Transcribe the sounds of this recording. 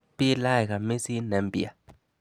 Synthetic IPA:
pi˦la˦jka˨me˦si˦nɛ˨˦mbi˨a̰˨

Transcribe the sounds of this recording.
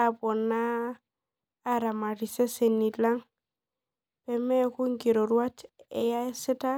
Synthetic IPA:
a˨bɔ˨nːa˦ | ɾa˨ma˨ɾi˨se˦se˨nːi˨la˦ŋ | pɛ˨mɛ˦ku˦ŋɡi˨ɾo˨ɾwa˦t͡ʃe˨ja˦e˦sɪ˦ta˦

